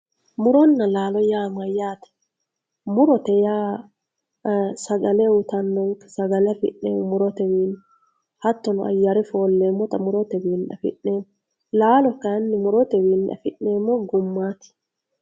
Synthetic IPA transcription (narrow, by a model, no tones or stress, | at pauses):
mʊɾɔnːɐlaːlɔjaːmɐjaːt̪ɛ̥ | mʊɾɔt̪ɛjaː | sɐɡɐlɛwʊt̪ɐnːɔŋkɛ̥sɐɡɐlɛfɪ̰ʔḛwʊmʊɾɔt̪ɛwiːn | hɐt̪ːɔnɔʔɐ̰jːɐɾɛfo̞ːlːeːmːɔt̪ɐmʊɾɔt̪ɛwiːnᶑɐ̰fɪ̰ʔːeːmːɔ | laːlɔkːɐɐnːɪmʊɾɔt̪ɛwiːnᶑɐ̰fɪʔneːmːɔɡʊmːaːt̪ɪ̥